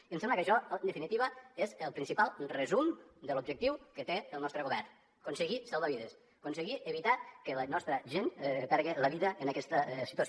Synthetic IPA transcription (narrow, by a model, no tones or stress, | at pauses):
iəmsɛmbləkəʃɔənd̪əfinit̪iβəezəlˠpɾinsipalˠrəzumd̪əlubʒək̚t̪iwkət̪eəlˠnɔst̪ɾəɣuβɛrn | kunsəɣisəlˠβəβiðes | kunsəɣiʔəβit̪akələnɔst̪ɾəʒenpɛɾɣeləβiðəənəkɛst̪əsi̥t̪uəs